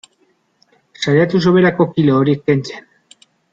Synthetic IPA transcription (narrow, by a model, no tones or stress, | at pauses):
sajat̪us̬o̞βe̞ɾako̞kilo̞ːɾiek̚pe̞nt͡sen